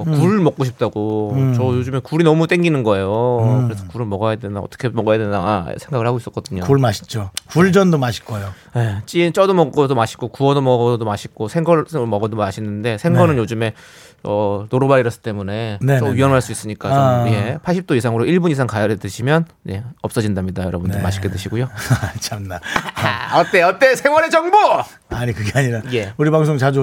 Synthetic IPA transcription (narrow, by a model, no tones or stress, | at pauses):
kuɭmʌk͈̚oɕʰip̚t͈aɡot͡ɕʌjod͡ʑume̞kuɾinʌmut͈eŋɡinɯnɡʌe̞jokɯɾe̞sʰʌkuɾɯɭmʌɡajadendaʌ̰t͈ʌ̥kʰe̞mʌɡajadendaɡa̰sʰe̞ŋɡaɡɯɭhaɡois͈ʌk͈ʌd̥ɯɲouɭmaɕʰi̥t͡ɕ͈okuɭd͡ʑʌndomaɕʰi̥k͈ʌjo | je̞t͡ɕ͈ient͡ɕ͈ʌdomʌk͈ʌdomaɕʰi̥k͈okuʌdomʌɡɡʌdomaɕʰik͈osʰeŋɡʌsmʌɡʌdomaɕʰinːɯnde̞sʰe̞ŋɡʌnɯnjod͡ʑume̞ | ʌnoɾobaɾiɾʌs͈ʰɯ̥t͈e̞mune̞neʌɥiʌnɦaɭs͈uis͈ɯɲik͈aʌje̞pʰaɭɕ͈ʰip̚t͈oisʰaŋɯɾoiɭbuɲisʰaŋkajʌɾedɯɕʰimjʌn | je̞̰ʌp̚s͈ʌd͡ʑindamɲidajʌɾʌbundɯma̰ɕʰi̥k͈ʰedɯɕʰiɡojot͡ɕʰamna | ʌt͈eʌt͈esʰe̞ŋwʌɾed͡ʑʌŋbo | aɲikɯɡeaɲiɾajeuɾibaŋs̬ʰoŋt͡ɕad͡ʑu